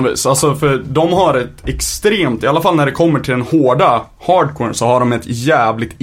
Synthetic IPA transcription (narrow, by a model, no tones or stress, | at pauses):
vḭːsalsɔfœɖɔmɦaɾɛt̪ɛkst̪ɾeːmt̪ɪalːafalːnæɖɛkʰɔmːəʈʰɪld̪ɛnhoːɖa | hɑːɖkʰwɛːnsɔhaɖɔmɛt̪jæːvlɪɡ̚t̪